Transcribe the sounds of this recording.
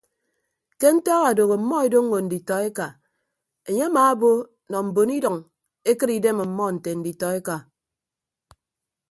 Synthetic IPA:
ke˦n̩˦tɔ˦ɣa˨do˨ɣo˨m̩˨˦mɔ˦e˨do˦ŋ˦o˨n̩˨di˨tɔ˨e˦ka˨ | e˨ɲe˦a˦maː˨˦a˦bo˦ | nɔ˨m̩˨bo˨ni˦dɔ˨ŋ | e˦kɨ˦ɾi˨de˦ma˨m̩˨mɔ˦n̩˨te˨n̩˨di˨tɔ˨e˦ka˨

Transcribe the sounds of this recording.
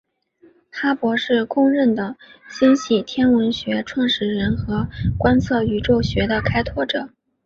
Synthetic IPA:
xa˥pwɔ˧˥ʂɻ̩˥˩kʊ˥ŋɻə˥˩nd̪ə˩ɕi˥nɕi˥˩t̪ʰjɛ˥nwə˧˥nɕɥɛ˧˥ʈ͡ʂʰwɑ˥˩ŋʂɻ̩˥˩ɻə˧˥nxɤ˧˥kwa˥nt͡sʰɤ˥˩y˧˥ʈ͡ʂo˥˩ʊɕɥɛ˧˥d̪ə˧kʰa˥ɪt̪ʰwɔ˥ʈ͡ʂɤ˨˩˦

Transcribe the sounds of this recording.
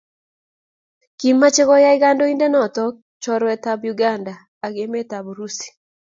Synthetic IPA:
ki˨mmːa˦t͡ʃɪ˦ɡɔ˦ja˦ɪ˦ɡa˦ndɔ˦i˦nde˦nɔ˨t̪ɔ˦k̚ | t͡ʃɔ˦ɾwɛ˨t̪abjuɡa˦nda˨ | a˨ɡe˨mɛ˦t̪a˨bɾu˦si̥˨

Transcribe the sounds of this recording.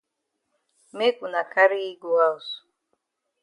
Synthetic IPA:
me˦ku˨na˨ka˦ɾi˦i˦ɡu˨a˦u˨s

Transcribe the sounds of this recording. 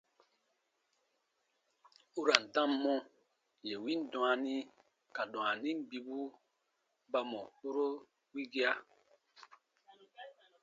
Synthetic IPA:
u˦ɾa˨n̩˨dã˦mːɔ̃˦ | je˨wi˦n˦dw̃a˨ni˦ | ka˨dɔ̃˨a˨ni˦m˦bi˦bu˦ | ba˦mɔ˨ho˦ɾo˦ | wi˦ɡi˦a˦

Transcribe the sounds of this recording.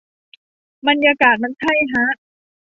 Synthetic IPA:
ba˧njaː˧kaː˨˩t̪̚ma˧nt̪ʰa˥˩jɦa˦˥ʔ

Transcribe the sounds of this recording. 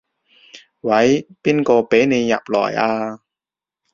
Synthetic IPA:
wɐ˨˥jpiː˥nkɔː˧pe˨˥jne˨˧jːɐ˨˩p̚lɔ̰ː˨˩jʔaː˧

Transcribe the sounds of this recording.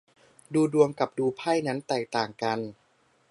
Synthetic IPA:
duː˧du˧əmka˨˩p̚duː˧pʰa˥˩jna˦˥nt̪ɛː˨˩k̚t̪aː˨˩ŋka˧n

